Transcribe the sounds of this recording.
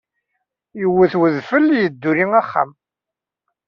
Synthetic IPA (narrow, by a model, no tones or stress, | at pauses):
jəwːəθwəðfəlːjəd̪ːuɾiŋaχːa̰m